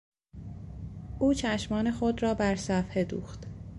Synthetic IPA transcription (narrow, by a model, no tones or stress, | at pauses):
ʔuːt͡ʃʰæʃmɒːne̞xod̪ɾɒːbæɾsæfhe̞d̪ṵːxt̪